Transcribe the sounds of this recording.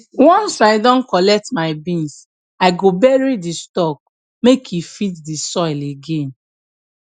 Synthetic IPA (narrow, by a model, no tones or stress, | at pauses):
wɔ̃nsaɪdɔ̃nkɔlɛk̚tmaɪbĩns | aɪɡobɛɹidistɔk̚ | mekʰjufitdisɔɪleɡẽn